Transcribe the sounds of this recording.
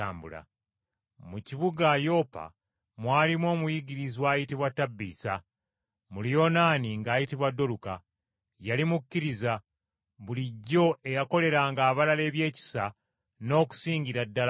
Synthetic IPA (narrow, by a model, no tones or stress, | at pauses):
aːmbṵla̰ | muciβuɡajo̞ːpa̰ | mwaːlimwo̞ːmujiɡiɾizwaːjitiβwatːabːḭːsa | mulijo̞ːnaːniŋɡaːjitiβwadːo̞luka | jalimukːiɾiza | βuliɟːo̞e̞jako̞le̞ɾaːŋɡaːβalale̞ːβje̞ːci̥sa | no̞ːku̥siːŋɲɟiɾadːal